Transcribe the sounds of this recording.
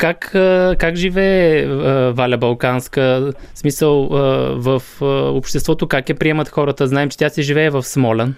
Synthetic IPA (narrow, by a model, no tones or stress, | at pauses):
kakəkakʒivɛː | valʲɐbɐlˠkanskəsmisəlˠəvəfəopʃt̪ɛst̪vɔt̪okakɛpɾiɛmɐt̪xɔɾət̪əznaɛmt͡ʃɛ̥t̪ʲjasɛʒivɛːvəfsmɔlʲɛn